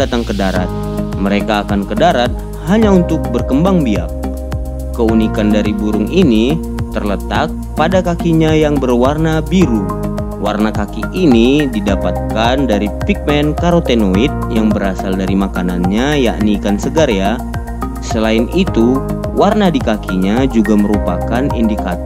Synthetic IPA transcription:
at̪aŋkədaɾa̰t̪̚ | məɾekaːkankədaɾat̪̚ | haɲaunt̪ʊk̚bərkəmbaŋbia̰k̚ː | əunikandaɾibuɾʊŋini | t̪ərlət̪ak̚ | padakakiɲajaŋbərwarnabiɾu | wa̰rnakakiʔːnididapat̪̚kandaɾipik̚mɛnkaɾot̪enoit̪̚jaŋbəɾasaldaɾimakananɲaja̰ʔnikansəɡaɾja | səlaɪnit̪u | warnadikakʰiɲad͡ʒuɡaməɾupakanḭndikat̪ɔ

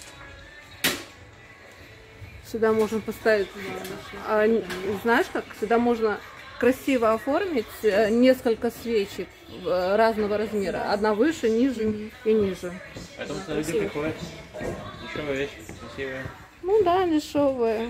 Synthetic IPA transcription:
sʲɪɡ̚d̪amo̞ʐɨnəpɐst̪avʲɪtʲ | aznajɪʂkaksʲɪɡ̚d̪amo̞ʐnəkɾɐsʲivəɐfo̞rmʲɪtʲnʲe̞skəlʲkəsvʲet͡ɕɪk | ɾaznəvəɾɐzmʲe̞ɾə̰ɐ̰d̪navɨʂɨnʲiʐɨnʲinʲiʐɨɐɛt̪mlʲudʲɪpɾʲɪxodʲɪt̪ | lʲɪʂovɨvʲeɕkɾɐsʲivɨjə | nud̪alʲɪʂo̞vɨjə

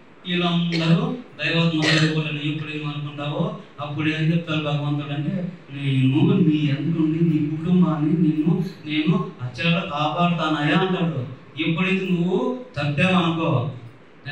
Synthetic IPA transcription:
ilɐnd̪ɐɾud̪ɐjʋɐt̪nɐlɐlipɐlɐnijipːɐɽid̪iɐnukuɳʈaːwoɐpːuɽeːnd͡ʒep̚ːt̪aːɾubaːkɐʋɐnt̪aɽɐɳʈeː | neːnumiːend̪ukuɳɖiniːkːuʈumbaːnːineːnːune̞ːnuɐt͡ʃːɐlɐɾɐkaːpaːlɐt̪aːnɐːjaːɐɳʈaːɽu | ipːɐɽit̪inuʋːut̪ɐbːeːɐnukoː

